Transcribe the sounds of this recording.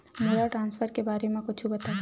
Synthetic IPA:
meːɾaʈɾãːnsfʰəɾkebaːɾemẽkʊt͡ʃʰubɐt̪a

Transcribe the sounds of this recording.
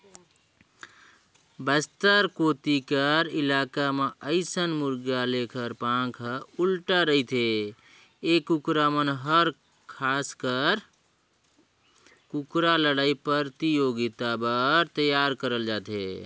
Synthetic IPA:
bəst̪əɾkot̪ikəɾɪlakameʔəɪsənmuɾɡalekʰəɾpãkʰəulʈaɾəit̪ʰe | ekːukɾamənɦəɾ | kʰaskəɾ | kukɾaləɽaipəɾt̪ijoɡit̪abəɾt̪əjaɾkəɾəld͡ʒaːt̪ɦḛ

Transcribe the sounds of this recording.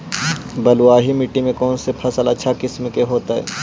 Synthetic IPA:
bɐlʊaːɦimɪʈːimẽkɔːnsepʰɐsəlɐtːʃʰakɪsmkeɦoːt̪aɦɛ̰ː

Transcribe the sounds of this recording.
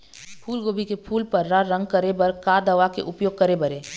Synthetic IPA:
pʰuːlɡoːbʱikepʰuːlpɐɾːaɾɐ̃ŋɡ̚kɐɾebɐɾkaːd̪ɐʋakḛʔʊpjoːɡ̚kɐɾebɐɾeː

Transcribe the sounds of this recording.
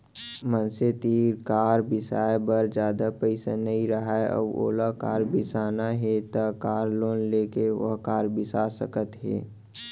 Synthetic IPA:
mənset̪iːɾkaːɾbɪsaːjbəɾd͡ʒjaːd̪apəɪsanəɦiɾɐɦaeʔɔ̰bo̰ːlakaːɾbɪsaːnaɦɛt̪akaːɾloːnleːkeʋə̰ɦkaːɾbɪsaːsəkət̪ɦɛ̰ː

